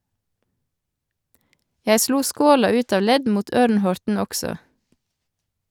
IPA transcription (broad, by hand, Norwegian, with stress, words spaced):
ˈjæɪ ˈsluː ˈskoːlɑ ˈʉːt ˈɑʋ ˈlɛd ˈmuːt ˈœɾnˌhɔɾtn̩ ˈɔksɔ